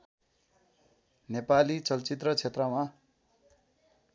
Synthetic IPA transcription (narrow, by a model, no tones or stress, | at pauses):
nepalit͡sʌlt͡sit̪rʌt͡sʰet̪rʌma